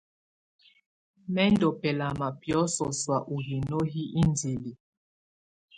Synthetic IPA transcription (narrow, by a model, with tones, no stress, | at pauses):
mɛ˦ndɔ˨pɛ˨la˨ma˨pjɔ˨˦sɔ˨swa˨ʔu˨ɦi˨no˦ɦi˦ʔi˦nd͡ze˨li˨